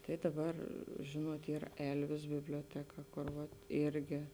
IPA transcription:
tɐɪ dɐˈbɐr ˈʒʲeːnuɔt ˈiːr ˈɛlʲʋʲɪs bʲɪbʲlʲoːˈtʲæːkɐ kʊr ˈʋɐt ˈɪrʲɡʲɪ

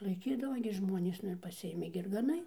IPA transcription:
lˠɐɪˈkʲiːdɐʋɐ ɡʲɪ ˈʒmuɔnʲeːs ˈnʊ ɪr pɐˈsʲɪeːmʲɛɪ ɪr ɡɐˈnɐɪ

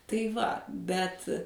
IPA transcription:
tɐɪ ˈʋɐ ˈbʲɛt

